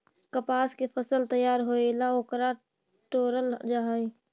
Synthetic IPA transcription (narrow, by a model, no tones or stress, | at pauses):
kəpaːskepʰəsəlt̪əjːaːɾɦoːelaoːkɾa | ʈoːɾəld͡ʒaɦi